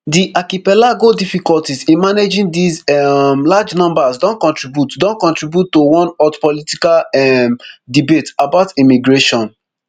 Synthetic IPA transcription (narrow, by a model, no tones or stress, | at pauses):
diʔakipɛlaɡodifikɔltizĩnmaned͡ʒĩŋdizɛmlad͡ʒnɔ̃mbazdɔ̃nkɔ̃ntɹibjutdɔ̃nkɔ̃ntɹibjutːowɔ̃nɔtpɔlitikalɛmdibetabaʊtimiɡɹeʃɔ̃n